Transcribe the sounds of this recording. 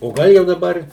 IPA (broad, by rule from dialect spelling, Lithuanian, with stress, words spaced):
oː ˈɡɐlˠ jɛʊ dɐˈbɐr